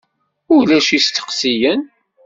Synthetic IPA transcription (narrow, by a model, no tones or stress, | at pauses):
ʊlæʃist̪ːə̥qsijən